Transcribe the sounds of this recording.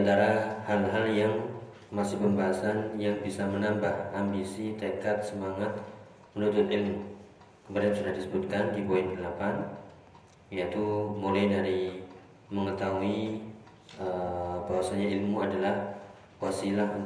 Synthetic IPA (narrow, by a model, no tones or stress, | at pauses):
ant̪aɾahalɦaljaŋ | masɪhpʊnbaɦasanjaŋbisamənambahambisit̪əkat̪̚səmaŋat̪̚ | mənut̪ʊt̪ilmu | kəmaɾansudahdisəbut̪̚kandiboɛnkəlapan | ijat̪umulajnaɾi | məŋət̪aɦui | əbaɦwasaɲailmuadalah | wasilah